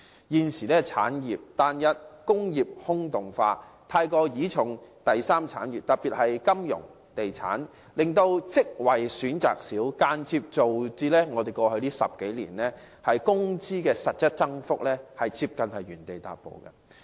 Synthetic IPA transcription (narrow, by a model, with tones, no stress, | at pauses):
jiː˨˧nsiː˨˩lɛː˥t͡sʰa̰ː˨˥njiː˨˩p̚t̪aː˨njɐ˧t̚kʊ˥ŋjiː˨˩p̚hʊ˥ŋt̪ʊ˨˩ŋfaː˧ | t̪ʰaː˧jkɔː˧jiː˨˥t͡ʃʰʊ˨˩ŋt̪ɐ˨jsaː˥mt͡sʰa̰ː˨˥njiː˨˩p̚t̪ɐ˨t̚piː˨t̚hɐ˨jkɐ˥mjʊ̰˨˩ŋ | t̪e˨jt͡sʰa̰ː˨˥n | lɪ˨ŋt̪o˧wt͡sɪ˥k̚wɐ˨˩jsyː˨˥nt͡sa̰ː˨k̚siː˨˥wkaː˧nt͡sʰiː˧p̚t͡so˨wt͡siː˧lɛː˥ŋɔː˨˧d̪e˨jkɔː˧hɵ˧ɥliː˥sɐ̰˨p̚ke˨˥jlḭː˨˩nlɛː˥ | hɐ˨jkʊ˥ŋt͡siː˥kɛː˧sɐ˨t̚sɐ˥t̚t͡sɐ˥ŋfʊ˥k̚lɛː˥hɐ˨jt͡sʰiː˧p̚kɐ˨nhɐ˨jɥyː˨˩nt̪e˨jt̪a̰ː˨t̚po̰˨˧wkɐ̰˧